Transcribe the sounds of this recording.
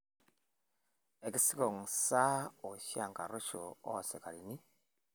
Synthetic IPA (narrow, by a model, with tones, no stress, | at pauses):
ɛ˨ki˦si˦kɔ˨ŋsa˦o˨ʃi˦a̰˨ŋɡa̰˨ɾo˦ʃo̰˨ɔ̰˦˨sɛ˨ka˨li˨ni˦